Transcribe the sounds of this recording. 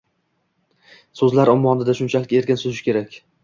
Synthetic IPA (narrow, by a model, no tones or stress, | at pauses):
sɵzlaɾɒmːɒnɪd̪aʃʊnt͡ʃʰalɪkʲe̞ɾkʲɪnsɵzɪʃkʲʰe̞ɾakʲ